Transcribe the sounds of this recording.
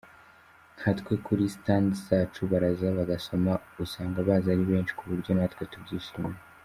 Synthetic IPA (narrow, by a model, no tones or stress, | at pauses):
nhatwekʰuɾistandsaːt͡ʃuβaɾazaβaɡaso̞mausaːŋɡaβaːzaɾiβe̞ːnʃi̥kʰuβuɾɟo̞natkwetubɟiːsome